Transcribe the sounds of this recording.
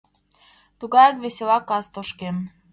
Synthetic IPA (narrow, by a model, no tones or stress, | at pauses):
t̪uɣɑjɑkβeselɑkɑst̪oʃkem